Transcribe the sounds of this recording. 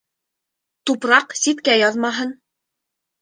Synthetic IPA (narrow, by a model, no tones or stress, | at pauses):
t̪upɾɑqsit̪kæjɑðmɑɦɤn